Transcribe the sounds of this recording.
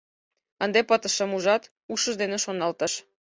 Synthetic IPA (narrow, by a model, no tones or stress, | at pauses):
ə̆nd̪epət̪ə̆ʃĕmuʒɑt̪ | uʃə̆ʒd̪eneʃonɑlt̪ə̆ʃ